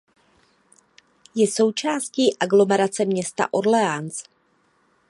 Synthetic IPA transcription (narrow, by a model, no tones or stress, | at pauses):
jɛso̞wt͡ʃaːsciːʔaɡlo̞mɛɾat͡sɛmɲɛst̪a̰ʔo̞ɾlɛans